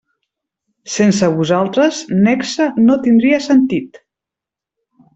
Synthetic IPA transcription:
sensəβuzalˠt̪ɾəznɛksənot̪ind̪ɾiəsənt̪it̪

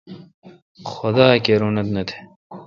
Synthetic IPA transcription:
xʊd̪aːkeɾuːnɐt̪nɐt̪ʰe̥

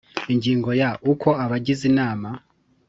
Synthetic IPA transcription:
iɲɟiːŋɡo̞jaʔukʰo̞aβaɟizinaːma

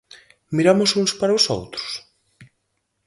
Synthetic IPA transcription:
miɾamʊsuŋspaɾaʊso̰wt̪ɾʊ̥s

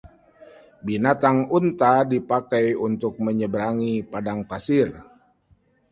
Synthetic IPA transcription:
binat̪aŋunt̪adipakajunt̪ʊk̚məɲəbəɾaŋipadaŋpasɪr

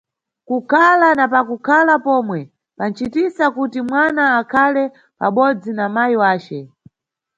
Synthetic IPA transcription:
kukʰalanapakukʰalapɔmwɛ | pan̩t͡ʃitisakutimwanaːkʰalɛ | pa̰ɓɔd͡zinamajiwaːt͡ʃɛ

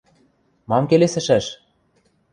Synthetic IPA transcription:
mɑmkelesɘ̆ʃæʃ

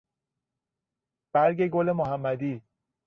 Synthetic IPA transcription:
b̥æɾɟe̞ɡole̞moɦæmːæd̪iː

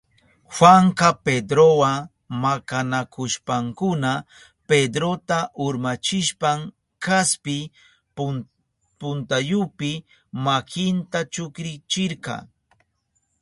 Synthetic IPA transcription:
xwaŋkaped̪ɾowa | makanakʊʃpaŋkʊna | ped̪ɾot̪aʔʊɾmat͡ʃɪʃpaŋ | kaspɪ | pʊnt̪ajʊpɪ | makɪnt̪at͡ʃʊkɾɪt͡ʃɪɾkɑ̰

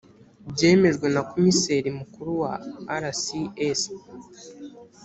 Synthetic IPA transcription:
bɟe̞ːme̞ʒɡwe̞nakomiseɾimukuɾuwaːɾasies

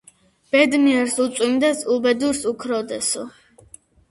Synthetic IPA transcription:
b̥ɛd̪miɛɾsut̪sʼwimd̪ɛsulbɛd̪uɾsukʰɾɔd̪ɛsṵ

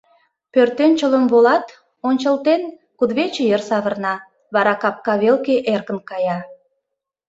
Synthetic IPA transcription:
pørt̪enʲt͡ɕələnβolɑt̪ | onʲt͡ɕəlt̪en | kud̪βet͡ɕəjərsɑβərnɑ | βɑɾɑkɑp̚kɑβelkeʔerkə̆nkɑjɑ

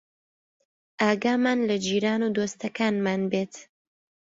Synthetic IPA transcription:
ʔaːɡaːmaːnlɐd͡ʒiːɾaːnud̪ost̪ɐkʰaːnmaːnbeːt̪

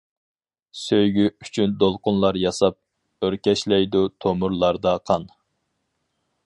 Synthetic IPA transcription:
søjɡʲyy̥t͡ʃʰynd̪olˠqʊnlˠɑɾjɑsɑp̚ | øɾkʲɛʃlɛjd̪ut̪ʰomuɾlˠɑɾd̪ɑqʰɑn

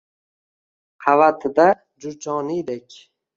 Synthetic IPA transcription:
qʰɑvat̪ʰɪd̪a | d͡ʒʊɾd͡ʒʰɒːnid̪ekʲ

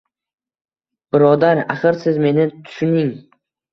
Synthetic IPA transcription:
b̥ɪɾɒd̪aɾa̰χɨɾsɪzme̞nɪt̪ʰʊ̥ʃʊnɪŋ

